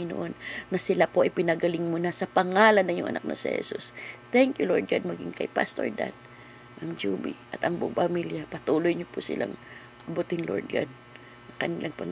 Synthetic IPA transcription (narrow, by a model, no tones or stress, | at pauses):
ɪno̰ʔonːɐsɪlapoʔɐjpɪnɐɡɐlɪŋmʊnasɐpɐŋaːlɐnːɐŋjʊŋʔɐ̰na̰k̚nɐ̰sɛ̰hɛ̰sust̪ɛŋkjʊloɹd̪̚ɡad̪̚mɐɡɪ̰ŋkɐjpa̰st̪o̰ɹd̪a̰n | ʔɐŋd͡ʒuːbḭʔɐt̪ʔɐŋbʊ̰ŋpɐmiljapɐt̪uːlojɲopʊsɪ̰lʔa̰ŋ | ʔɐbut̪ɪnlo̰ɹd̪̚ɡa̰d̪ | ʔɐŋkɐnilʔaŋpɐŋ